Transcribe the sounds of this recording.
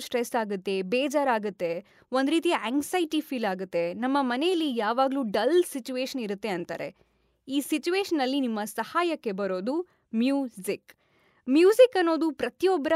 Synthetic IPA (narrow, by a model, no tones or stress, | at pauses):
sʈɾesaːɡut̪ːe̞bɛːd͡ʒaːɾaːɡut̪ːe̞ | ond̪ɾiːt̪ijeŋɡsɐjʈipʰiːlaːɡut̪ːe̞nɐmːɐmɐnejɐlːijaːʋaːɡluːɖɐlsit͡ʃuʋeːʃɐniɾut̪ːe̞ɐnt̪a̰ːɾe̞̰ | iːsit͡ʃuʋeːʃɐnːɐlːinimːɐsɐhaːjɐkːe̞bɐɾo̞ːd̪u | mjuːzik | mjuːzikɐnːo̞ːd̪upɾɐt̪ijɔbːɐɾɐ